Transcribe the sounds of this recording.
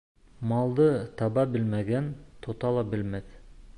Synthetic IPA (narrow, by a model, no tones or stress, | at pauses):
mɑlˠd̪ɯt̪ʰɑbɑbɪlmæɡʲent̪ʰot̪ɑlˠɑbɪlmet̪